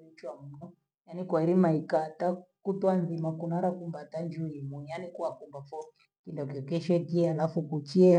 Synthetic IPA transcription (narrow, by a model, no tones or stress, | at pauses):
it͡ʃwamunɔ | janikwaiɾimaikatakutɔanðimakunaɾakumbatand͡ʒuimujanikuakumbafɔi | kindɔkɔkɛʃɛkiɛalafukut͡ʃiɛ